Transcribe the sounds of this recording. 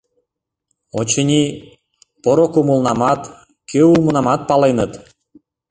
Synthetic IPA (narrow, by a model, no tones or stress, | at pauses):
ot͡ɕənʲi | poɾokumulˠnɑmɑt̪ | keulˠmə̆nɑmɑt̪̚pɑlˠejnɤ̆t̪